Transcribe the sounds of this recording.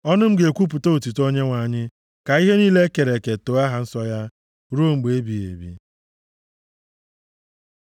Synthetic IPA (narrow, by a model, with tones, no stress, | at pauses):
ɔ˦nʊ˦m̩˦ɡe˨kʷu˦p̬u˨to˦u˨ti˨to˦ɲe˦ŋʷa˨ɲɪ˦ | ka˨i˦ɦe˦niː˦le˦ke˨ɾe˨ke˨to˨˦a˦ɦa˨n̩˦sɔ˦ja˦ | ɾo˦ŋ͡m̩˨ɡ͡be˨e˦bi˨ḛ˨bḭ˦